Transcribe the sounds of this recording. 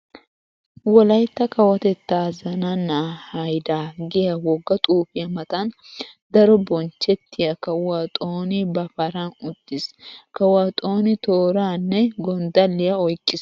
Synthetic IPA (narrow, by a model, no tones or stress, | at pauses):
wɔlɐjt̪ːɐkɐwɐt̪ɛt̪ːaːzɐnɐnːahɐjd̪aːɡɪjɐwɔɡːɐt̪ʼuːfɪjɐmɐt̪ɐnd̪ɐɾɔbɔnt͡ʃːɛt̪ʰːɪjɐkɐʊwat̪ʼoːnɪbɐfɐɾɐnʊd̪̥ːɪskɐwwaːt̪ʼoːnɪt̪oːɾaːnːɛɡɔnd̪ɐlːɪjɐɔjkʼːɪs